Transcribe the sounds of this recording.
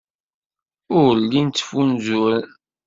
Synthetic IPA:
ʊʁlːint͡s̪ːfunzʊɾən

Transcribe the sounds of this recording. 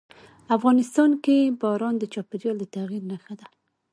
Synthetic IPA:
afɣɑnɪst̪ɑnkebɑɾɑnd̪ət͡ʃɑpɪɾjɑld̪ət̪aɣiɾnaxad̪a

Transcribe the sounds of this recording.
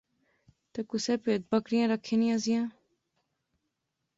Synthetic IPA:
t̪eːkʊseːpeːt̪̚bəkɾɪjãːɾəkʰːeːnĩazɪjãː

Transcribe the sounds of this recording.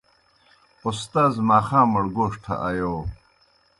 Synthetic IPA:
ust̪aːzmaːxãːmuɽɡoːʂʈʰɐ̰ʔɐjoː

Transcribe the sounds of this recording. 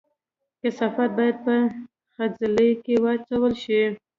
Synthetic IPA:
kɪsɑfat̪̚bɑjad̪̚pə | xazɪlekewɑt͡sawəlʃi

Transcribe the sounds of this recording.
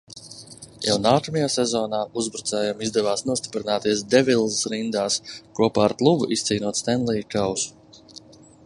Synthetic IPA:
ja̰wnaːkamɛjaːsɛzɔːnaːuzbɾut̪sɛːjamizd̪ɛvaːsnuɔst̪i̥pɾinaːt̪iɛsd̪ɛvʲilˠsɾind̪aːskuɔpaːɾt̪lˠuvṵʔist̪siːnuɔt̪st̪ɛnlˠiːkawsu̥

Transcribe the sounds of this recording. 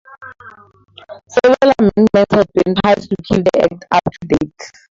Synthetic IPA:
sɛvɹalamɛ̃ndmɛ̃ntshɛvbĩnpʰaɪstukʰildiɛ̰k̚tʰaptʰudet

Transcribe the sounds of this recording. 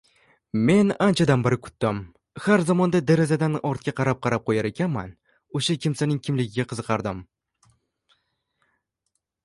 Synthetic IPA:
me̞nant͡ʃʰad̪anbɪɾɪkʰʊ̥t̪ːɪm | haɾzɒmɒnd̪ad̪aɾazad̪anɒɾt̪̚kʲaqʰɑɾap̚qʰɑɾap̚qʰojaɾekʲanma̰n | oʃakʲʰɪmsanɪŋkʰʲɪmlɪɡʲɪɡʲaqʰɨzɨqʰɑɾd̪ɪm

